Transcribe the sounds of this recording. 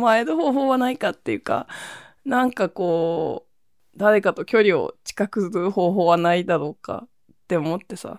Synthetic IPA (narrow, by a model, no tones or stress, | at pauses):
maed̪oɦo̞ːɦo̞ːβanaikat̪ːe̞jɯ̟ka̰ | nãŋkako̞ː | d̪aɾe̞kat̪o̞kʲo̞ɾʲio̞̰t͡ɕi̥kakɯsɾɯho̞ːɦo̞ːβanaid̪aɾo̞ːka̰ | t̪ːe̞o̞mo̞t̪ːe̞sa̰